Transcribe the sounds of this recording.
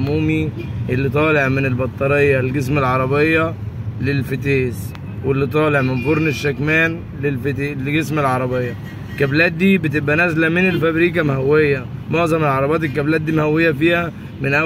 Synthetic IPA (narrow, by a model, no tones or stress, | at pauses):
muːmiʔelːit̪ˤɑːleʕmenelbɑt̪ˤːɑɾejːɑlɡes̬melʕɑɾˤɑbejːɑlelfet̪eːs | welːit̪ˤɑːleʕmemboɾˤneʃːækmæːn | lelflɡesmelʕɑɾˤɑbejːɑ | kːæblæːt̪̚d̪iːbet̪ebʔænæzlæmenelfæbɾiːkæmhæwːejːæmoʕzɑmelʕɑɾˤɑbeɑːt̪elkːæblæːt̪̚d̪iːmhæwːejːæfiːhæ | menʔæ